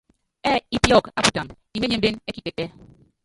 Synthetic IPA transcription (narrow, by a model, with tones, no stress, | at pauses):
ɛ˦i˦pjɔ˦˨ka˦pu˨ta˨m | i˨me˦e˦m̩˦be˦ne˦ki˦ke˨tɛ˦